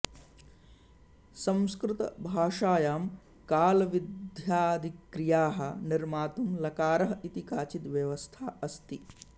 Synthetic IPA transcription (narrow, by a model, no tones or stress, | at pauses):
sɐ̃mskɾɪt̪ɐ̰bʱaːʂaːjaːm | kaːlɐʋid̪ʱjaːd̪ʱikɾijaːɦɐ̰̆niɾmaːt̪umlɐkaːɾɐɦɐit̪ikaːt͡ʃit̪ʋjɐʋɐst̪ʰaːɐst̪i